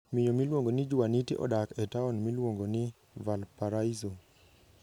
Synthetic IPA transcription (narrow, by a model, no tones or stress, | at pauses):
mɪɲomilwoŋɡonɪd͡ʒuwanitiʔɔ̰dakɛtaɔnmilwoŋɡonɪ | valpaɾaizo